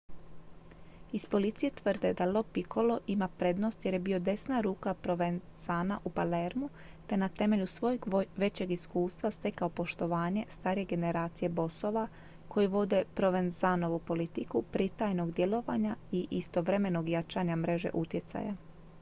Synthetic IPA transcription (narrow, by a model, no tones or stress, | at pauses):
ispo̞lit̪sije̞t̪ʋrd̪e̞d̪alo̞pikʰo̞lo̞ʔimapɾe̞d̪no̞st̪je̞ɾjebio̞d̪e̞snaɾuːkapɾo̞ʋen | z̥aːnaʔupale̞ɾmu | t̪e̞nat̪e̞me̞ʎusʋo̞jeɡʋe̞t͡ɕe̞ɡiskuːst̪ʋast̪e̞kaopo̞ʃt̪o̞ʋaːɲe̞st̪aːɾije̞ɡe̞ne̞ɾaːt̪sije̞bo̞so̞ʋa | kʰo̞jiʋo̞d̪e̞pɾo̞ʋenzano̞ʋupo̞lit̪ikupɾit̪ajno̞ɡd̪je̞lˠo̞ʋa̰ɲaiʔist̪o̞ʋɾe̞me̞no̞ɡjat͡ʃaːɲamɾe̞ʒe̞̰ʔut̪je̞t̪sa̰ja̰